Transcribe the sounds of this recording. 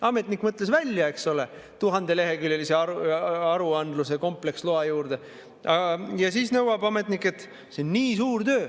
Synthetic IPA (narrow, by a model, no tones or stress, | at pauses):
ɑme̞t̪ˑnikːˑmɤt̪ːˑle̞svælʲjɑe̞ksole̞ | t̪uɦɑnd̪̥e̞le̞ɦe̞kyljeliseɑɑɾuɑnd̪luse̞ko̞mple̞ksloɑjuːɾd̪̥e̞ | ɑjɑsiːsnɤwɑb̥ɑme̞t̪ˑnikːˑe̞t̪ːˑ | se̞onːiːsuːɾt̪øː